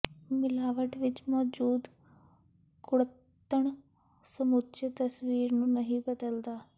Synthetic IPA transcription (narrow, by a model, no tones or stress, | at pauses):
mɪlaːʋəʈʋɪt͡ʃmɔːd͡ʒuːd̪ | kʊɽ | t̪ːəɳ | səmʊt̪ʃət̪əsʋiːɾnũːnəɦĩːbəd̪əld̪aː